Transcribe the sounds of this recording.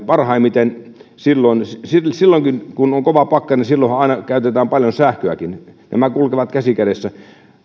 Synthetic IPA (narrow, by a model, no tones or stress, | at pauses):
pɑrhɑimit̪en | silːoinssilsilːoŋkinkunoŋkoʋɑpɑkːɑninsilːohɑɑˑinɑkæyt̪et̪æːmpɑljonsæhkøæ̰kinnæ̰mækulkeʋɑt̪kæsikædesːæ